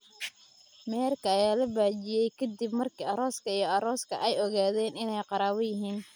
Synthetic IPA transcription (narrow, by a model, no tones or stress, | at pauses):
mɛːrkʰɐːjaːlɐbaːt͡ʃɪjɛjkʰɐd̪ibmɐrkʰiːɐɾɔːskʰɐijɔɐɾɔːskʰɐ̰ʔɛjɔɣaːðɛːnɪnɛjqɑɾaːβɔjɪɦiːn